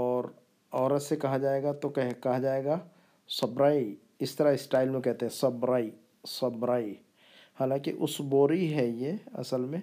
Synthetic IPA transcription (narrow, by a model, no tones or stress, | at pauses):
ɔːɾ | ɔːɾət̪sekɐɦad͡ʒaːeɡat̪okɛɦkɐɦad͡ʒaːeːɡa | sɐbɾaːi | ɪst̪əɾaɪsʈaːɪlmẽkɛɦt̪eɦɛ̃sɐbɾaːi | səbɾaːi | haːlãkḭʔʊsboːɾiɦɛjeɐ̰səlmẽ